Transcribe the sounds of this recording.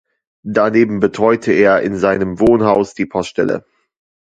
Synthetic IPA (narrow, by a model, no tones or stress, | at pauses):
d̥aneːbm̩bətʁ̥ɔʏtʰəeːɐʔɪnzaɪnəmvoːnhaʊsd̥iːpʰɔstʃtɛlə̰